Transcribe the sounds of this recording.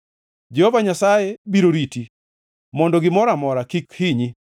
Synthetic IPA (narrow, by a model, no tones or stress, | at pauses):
d͡ʒɛhovaɲasajebiɾoɾiti | mɔndɔɡɪmɔɾamɔɾakikhiɲi